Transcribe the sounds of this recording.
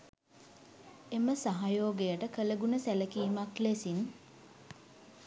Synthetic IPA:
eməsaɦajoːɡejəʈəkələɡunəsæləkiːmaklesin

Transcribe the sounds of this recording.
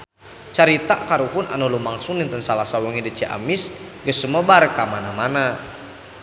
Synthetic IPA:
t͡ʃaɾit̪aʔkaɾuɦuna̰nɔlumaŋsunint̪ənsalasawəŋidit͡ʃiʔa̰mis | ɡəsuməbaɾəkamanamana

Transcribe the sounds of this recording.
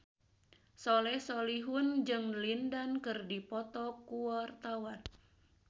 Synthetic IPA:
solɛhsoliɦʊnd͡ʒɨŋlindankɨrdipɔt̪ɔkuart̪awan

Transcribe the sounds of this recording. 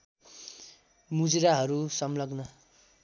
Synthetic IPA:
mud͡zɾaɦʌɾusʌmlʌɡnʌ

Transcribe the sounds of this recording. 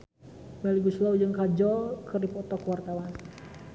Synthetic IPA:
mɛliɡuslaud͡ʒɨŋkad͡ʒɔlkɨrdipɔt̪ɔkwart̪awan

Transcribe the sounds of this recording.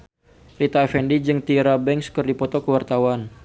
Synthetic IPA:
rit̪aɛfɛndid͡ʒɨŋt̪iɾabɛŋskərdipɔt̪ɔkəwart̪awan

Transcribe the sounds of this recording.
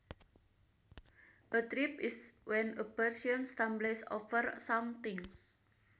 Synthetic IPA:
ʔət̪ɾipiswɛnəpərsiɔnst̪ãmblesɔ̰fərsamt̪ɪŋs

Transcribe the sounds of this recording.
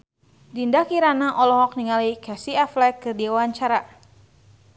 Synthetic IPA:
dindakiɾanaʔɔlɔɦɔk̚niŋalikasiaflɛkɨrdiawaɲt͡ʃaɾa

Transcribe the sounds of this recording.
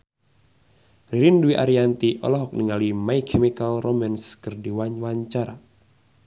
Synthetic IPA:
ɾiɾinduiʔaɾiant̪iʔɔ̰lɔɦɔk̚niŋalimaikʰemikalrʔomɛnskərdiwaɲwaɲt͡ʃaɾa

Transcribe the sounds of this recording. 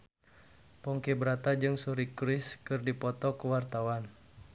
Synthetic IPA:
pɔŋkebəɾat̪ad͡ʒɨŋsuɾikɾɪskɨrdipɔt̪ɔkuwart̪awan

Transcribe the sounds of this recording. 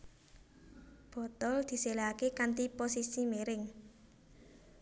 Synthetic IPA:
b̥ɔ̤t̪ɔld̪̥i̤selaakekant̪iposisimeɾɪŋ

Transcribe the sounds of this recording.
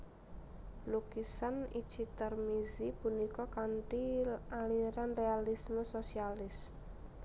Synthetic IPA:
lukisanid̥t͡ʃit̪ərmizipunikɔkaɳʈialiɾanrealisməsosialɪs

